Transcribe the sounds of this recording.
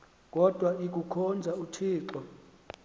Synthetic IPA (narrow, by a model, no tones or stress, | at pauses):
k̬ʼɔd̥ʱwaik̬ʼukʰɔnd͡zʱautʰiːǁɔ